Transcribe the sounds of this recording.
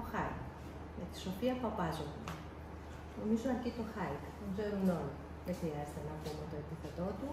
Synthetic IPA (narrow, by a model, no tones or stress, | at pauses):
oxɐik | jɐt̪i̥so̞fiɐpɐpɐzoune | omizoɐɾcit̪oxɐikðeɡze̞ɾunoni | ðexɾiɐzet̪enɐpumet̪o̞epiθe̞t̪o̞t̪u